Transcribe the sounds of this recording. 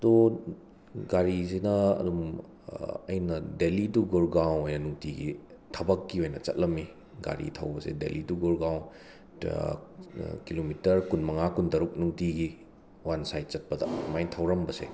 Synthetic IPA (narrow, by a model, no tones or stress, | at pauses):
ɐdo | ɡaɾizinɐɐ̰dum | ɐ̰jnɐdeliduɡoɾɡaw̃nojnɐnuŋtiɡḭtʰɐbɐkːiojnɐt͡ʃɐ̰t̚lɐmːi | ɡa̰ɾḭtʰɐwbɐsḛdḛliduɡoɾɡaw | kilomitɐɾkunmɐŋakundɐɾuk̚nuŋtiɡi | wansajt̚t͡ʃɐt̚pɐdɐ̰majtʰɐwɾɐmbɐsḛ